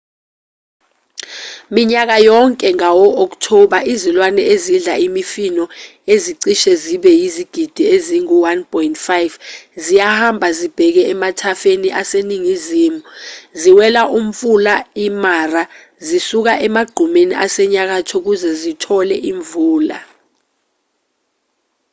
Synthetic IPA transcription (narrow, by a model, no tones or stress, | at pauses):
miɲak̬ajɔŋkʼɛŋawɔɔk̬tʰɔɓaʔizilwanɛezinɮaimifinɔeziǀiʃɛziɓɛjiziɡ̥ʱid̥ʱieziŋuwanpʰʼɔintfajvzijahambʱazib̥ʱɛk̬ɛɛmatʰafeniʔaseniŋiziːmuziwɛlaʔum̩fulaimara | zisuk̬aʔɛmaɡ͡ǃʱumeniʔasɛɲak̬atʰɔk̬uzɛzitʰɔlɛʔiɱvuːla̰